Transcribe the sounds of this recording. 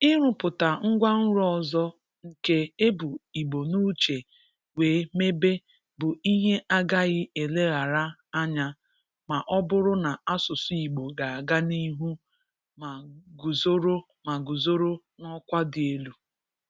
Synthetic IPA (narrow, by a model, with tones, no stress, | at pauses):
ɪ˦ɾʊ˨pʊ˨ta˨ŋ̩˦ɡʷa˦n̩˦ɾɔ˨zɔ˦ | ŋ̩˨ke˦e˦bʊ˨i˨ɡ͡bo˨nu˦t͡ʃe˨ | weː˨˦me˦be˦ | bʊ˨i˦ɦe˦ʔa˦ɡa˦ɣɪ˦e˨le˦ɣa˨ɾa˦a˦ɲa˦ | ma˨ʔɔ˦bʊ˦ɾʊ˦na˨a˦sʊ˨sʊ˦i˨ɡ͡bo˨ɡa˨a˨ɡa˦ni˦ɦu˦ | ma˨ɡu˨zo˦ɾo˦ | ma˨ɡu˨zo˦ɾo˦ | nɔ˦kʷa˦dɪ˨e˦lu˨